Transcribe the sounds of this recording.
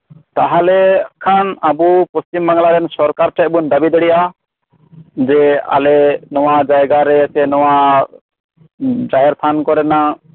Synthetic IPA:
t̪aɦalɛkʰanabupɔst͡ʃimbaŋlaɾɛnsɔɾkaɾʈʰɛʔ̚bund̪abid̪ɛɽɛja | d͡ʒɛa̰lɛnɔwad͡ʒajɡaɾɛsɛnɔwa | d͡ʒaɦɛɾt̪ʰankɔɾɛna

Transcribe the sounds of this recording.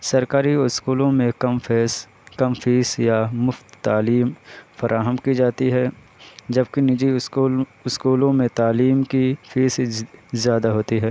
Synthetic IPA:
sɐɾkaːɾiskuːlõmẽkɐmfɛːs | kɐmfiːsjamʊft̪ːaːliːmfɐɾʔaːɦəmkid͡ʒaːt̪iɦɛː | d͡ʒɐbkinɪd͡ʒi | ɪskuːlõmẽt̪aːliːmkifiːszjaːd̪aɦoːt̪iɦɛː

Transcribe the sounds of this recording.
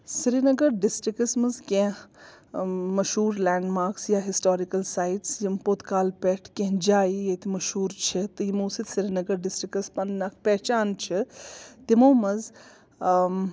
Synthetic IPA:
siɾinɐɡɐɾɖɪsʈɾikɐsmɐzkẽ | mɐʃɦuːɾlaːɳɖmaːɾksjaːɦisʈoːɾikɐlsaːjʈsjimpoːt̪kaːlpeːʈʰkẽɦd͡ʒaːijet̪ʰimɐʃɦuːɾt͡ʃʰit̪ɨjimoːsit̪siɾinɐɡɐɾɖɪsʈɾikɐspɐnːakpɛːt͡ʃaːnt͡ʃʰit̪imoːmɐz

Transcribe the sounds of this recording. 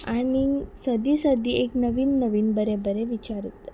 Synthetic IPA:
añisəd̪isəd̪ieknəʋiːnːəʋiːnbəɾebəɾeʋit͡ɕaɾit̪

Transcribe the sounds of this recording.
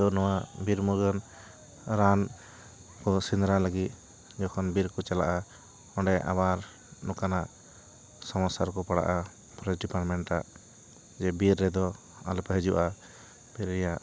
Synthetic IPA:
ɔnɔwabiɾmuɡɔn | ɾan | kɔsind̪ɾalaɡit̪̚ | d͡ʒɔkʰɔnbiɾkɔt͡ʃala̰ʔa | ɔɳɖɛʔa̰βaɾ | nɔkanaʔ | sɔmasaɾkɔpaɽa̰ʔa | pɾɔɖipaɾʈmɛɳʈʈaʔ | d͡ʒɛbiɾːɛd̪ɔ | a̰lɔpɛɦɛd͡ʒuʔa | b̥iɾːɛjaʔ

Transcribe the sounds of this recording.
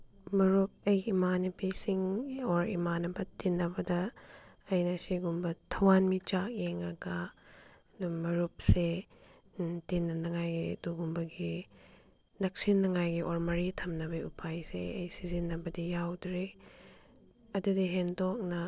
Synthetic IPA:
mɐɾup̚ɐjimanɐpisiŋoɾḭmanɐbɐtinːɐbɐdɐː | jnɐsiɡumbɐtʰɐwanmit͡ʃak̚eŋɐɡɐ | dumɐɾup̚se | tinːɐnɐŋajɡiduɡumbɐɡi | nɐk̚sinːɐŋajɡiʔoɾmɐɾitʰɐmnɐbɐupʰajsḛɐjsizinːɐbɐdijawdɾe | ɐdudiɦendok̚nɐ

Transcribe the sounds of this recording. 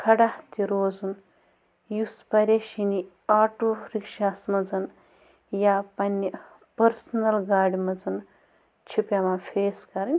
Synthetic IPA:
kʰɐɽaht̪iɾoːzun | juspɐɾʲeʃini | aːʈoɾikʃaːsmɐd͡zɐn | japɐnʲːi | pɐɾsɐnɐlɡaːɽimɐd͡zɐn | t͡ʃʰipjamafʰeːskɐɾɐnʲ

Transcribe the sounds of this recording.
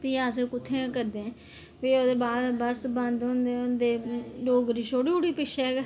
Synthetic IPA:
piːaːs̬ẽːkʊt̪ʰːẽkəɾd̪ẽ | piːod̪eːbaːd̪bəsbə̃nd̪ɦõnd̪eːond̪eːloːɡɾiːʃoːɽiːʊɽiːpɪʃɛːk

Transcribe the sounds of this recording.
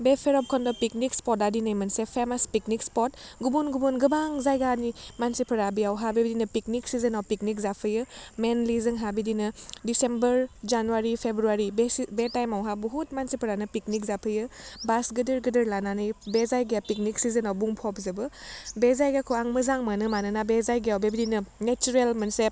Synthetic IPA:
bepʰeɾɔp̚kʰɔndɔpik̚nikspɔt̚adinɐjmɐnsepʰemaspiknikspɔt̚ɡubunɡubɔnɡɯbaŋzajɡanimansipʰɐɾabiawɦabibidinɐpik̚niksizɯnawpiknik̚zapʰɯjɯmenlizɯŋɦabidinɯdisembɐɾd͡ʒanuwaɾipʰebɾuaɾibsbetajmawɦabuɦutmansipʰəɾanɯpiknik̚zapʰɯjɯbasɡɯdɯɾɡɯdɯɾlananɯjbezajɡijapik̚niksizənawbuŋpʰɔpzɯbɯbezajɡekʰoaŋmɯzaŋmanɯmanɯnabezajɡeawbebidinɯnet͡ʃuɾelmɐnse

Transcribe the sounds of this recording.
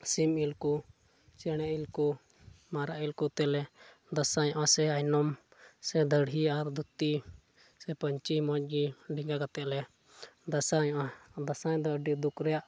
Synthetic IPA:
similku | t͡ʃɛɽ̃ɛʔilku | maɾaʔilkut̪ɛlɛ | d̪asaɲɔ̃ʔasɛajnɔmsɛd̪əɽɦiaɾd̪ut̪ːi | sɛpəɲt͡ʃimɔt͡ʃ̚ˀɡiɖiŋɡakat̪ɛʔlɛ | d̪asaɲɔʔad̪asad̪ɔɖid̪ukɾɛjaʔ

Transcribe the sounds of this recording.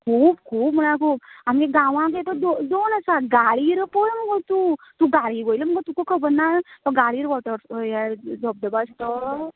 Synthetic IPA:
kʰuːbkʰuːbm̤əɽ̃akuːpamkeɡãʋãk̬et̪ɔd̪od̪onəsaɡaɭiɾpɔɭməɡət̪ut̪uɡaɽiɡojləməkət̪ukokʰəbənːant̪ɔɡaɭiɾʋɔʈəɾjɛd͡zɔb̚d̪əbast̪ɔ

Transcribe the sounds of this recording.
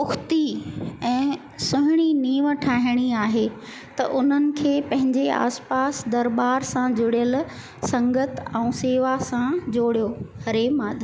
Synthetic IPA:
ʊxt̪iɛ̃ː | sʊɦɪɽ̃iniːʋəʈʰaːɦɪɽ̃iaːɦe | t̪ɐ̰ʔʊn̤ənɪ̆kʰeːpɐ̃ɦɪ̃ɲd͡ʑea̰ːspaːsd̪ɐɾbaːɾsãd͡ʑʊɽijəl | sɐ̃ŋɡət̪ɛ̃ũːseːʋasãd͡ʑoːɽijohɐɾemaːd̪ʱ

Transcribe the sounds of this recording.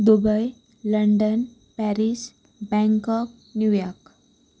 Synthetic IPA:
d̪ubəj | ləɳɖən | pæɾis | bɛ̃ŋkɔk̚ | njujɔɾk

